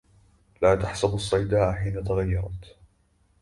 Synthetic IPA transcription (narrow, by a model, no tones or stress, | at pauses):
laːt̪aħsʊbɑsˤːɑjd̪aːʔħiːnat̪aɣajːɑɾˤɑt̪